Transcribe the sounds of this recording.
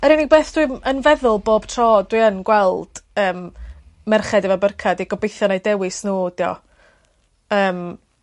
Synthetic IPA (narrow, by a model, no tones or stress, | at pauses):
ɛɾɪnibeːθd̥wiənvɛðʊlˠboːb̥tʰrɔːdwɨːənɡwɛlˠd̥əːmː | ɛrχɛdɛvɔbərkʰadiɡɔbejθjɔnajdɛwɨsnuːd̥iɔ̰ | əːm